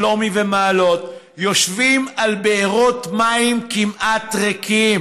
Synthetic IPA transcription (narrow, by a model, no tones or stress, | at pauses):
lomivemaːlo̞t | jo̞ʃvimalbeeʁotmaimkimʔat̪ʁekʰim